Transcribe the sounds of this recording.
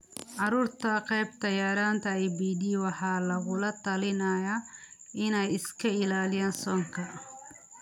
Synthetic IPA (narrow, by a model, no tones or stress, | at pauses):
ʕɑɾuːrt̪ʰɐqɛjbt̪ɐjaːɾaːnt̪ʰɐɛjbiːd̪iːwɑħɑːlɐɣʊlɐt̪ʰɐlɪnɐjaʔɪnɛjɪskʰɐɪlaːlɪjaːnsɔːŋkʰɐ